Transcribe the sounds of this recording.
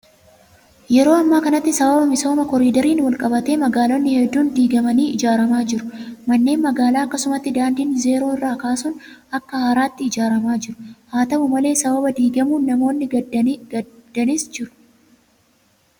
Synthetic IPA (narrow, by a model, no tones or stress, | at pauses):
jɛɾo̞ːɐmːaːkɐnɐt̪ːɪsɐbɐbɐmɪso̞ːmɐkɔɾiːd̪ɐɾiːnwɐlkʼɐbɐt̪e̞ːmɐɡaːlonːɪhɛd̪ːuːnd̪iːɡɐmɐniːɪd͡ʒaːɾɐmaːd͡ʒɪɾʊmɐnːe̞ːnmɐɡaːlaːɐkːɐsʊmɐt̪ːɪd̪aːnd̪iːnze̞ːɾo̞ːɪrːaːkaːsʊn | ɐkːɐhaːɾaːt̪ːɪɪd͡ʒaːɾɐmaːd͡ʒɪɾʊ̥haːt̪ɐmʊmɐle̞ːsɐbɐbɐd̪iːɡɐmuːnɐmo̞ːnːɪɡɐɡɐd̪̥ɐniːsd͡ʒɪɾʊ̥